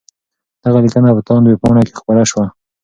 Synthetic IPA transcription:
d̪̥aɣalikənapət̪ɑnd̪wepoɳake̥xpəɾaʃwa

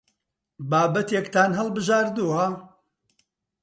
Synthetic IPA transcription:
baːbɐt̪ekt̪ʰaːnɦɐlˠbɨʒaːɾd̪uwɐ

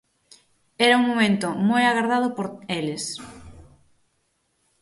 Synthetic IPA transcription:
ɛɾɐuŋmomẽnt̪ʊmojaɣaɾðað̞ʊpoɾelɪs

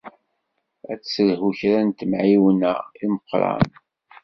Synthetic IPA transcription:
æt͡ssəlhuçɾænt̪əmʕiwənə̰ilməqːɾˤɑ̰n

